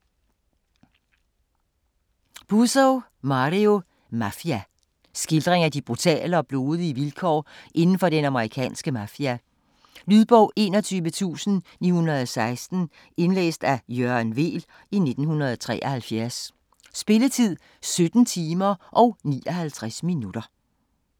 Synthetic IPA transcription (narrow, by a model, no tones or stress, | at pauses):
b̥usɔʊ | mɑ̈ʁio̝ | mæfiæ | sɡ̥e̝ld̥ʁeŋæd̥ib̥ʁut͡sʰɛ̰ːləɒ̽b̥lo̝ːðˠiəʋilkʰɒ̰ːʔe̝nn̩fɒ̽ɾ̥enɑ̈məʁikʰɛ̰ːnsɡ̥əmæfiæ | lyðˠb̥ɒʊ̰ʔe̝ːnɒ̽t͡sʰyːʋət͡sʰṵːsn̩nḭːhunɐðˠɒsɑ̈ɪsd̥n̩ | e̝nlḛːsd̥æjøɐnʋe̝̰ːl | ine̝d̥n̩hunʁɐð̞ˠɒt͡sʰʁɛ̰ːʔɒhælfjæɐsː | b̥e̝lət͡sʰið̞̰ˠ | sød̥n̩t͡sʰiːmɐʔɒ̽ʊnḭːɒhælt͡sʰʁasminud̥ɐ